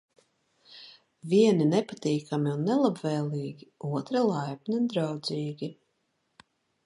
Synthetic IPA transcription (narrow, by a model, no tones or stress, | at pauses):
vʲiɛninɛpat̪iːkamiunːɛlˠabvɛːlˠiːɡʲiuɔt̪ɾalˠajpnʲid̪ɾawd̪ziːɡʲi